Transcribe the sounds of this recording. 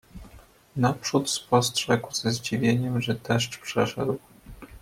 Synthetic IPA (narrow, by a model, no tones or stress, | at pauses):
napʂut̪spɔstʂɛɡwz̥ɛzd͡ʑivʲjeɲɛmʐɛd̪ɛʂt͡ʂpʂɛʂɛ̰d̪w